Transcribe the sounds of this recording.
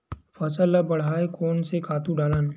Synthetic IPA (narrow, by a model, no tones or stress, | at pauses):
fɐsəlːabɐɽ̤aːekɔːnsekʰaːt̪ũɖaːlaːnː